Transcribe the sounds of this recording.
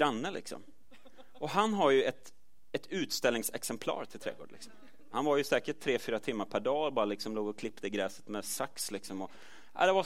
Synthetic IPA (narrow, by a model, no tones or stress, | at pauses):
ɾanːəlɪ̰ksɔ̰m | ɔɦanɦaɾjɵɛt̪ | ɛt̪ʉ̟ːt̪st̪ɛlnɪŋsɛksɛmpʰlɑ̰ːɾt̪ʰɪlt̪ʰɾɛ̰ːɡo̰ːɖlɪ̰ksɔ̥m | hanvaɾjɵsɛːkəʈt̪ʰːɾeːfyːɾat̪ʰɪmːaɾpʰæɖɑːbɑːɾalɪksɔmloːɡɔkʰlɪpːt̪əɪɡɾɛːsə̥t̪mɛsakslɪksɔmɔ | ʔa̰ɪd̪ɛva